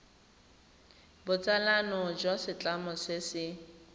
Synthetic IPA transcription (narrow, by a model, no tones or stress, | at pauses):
bʊt͡sʼalanɔd͡ʒɔsɪt͡ɬʼamɔsɪsɪ